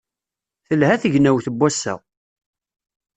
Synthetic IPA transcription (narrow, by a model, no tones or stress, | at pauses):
θəlhæθəʝnæwθəbːæsːæ̰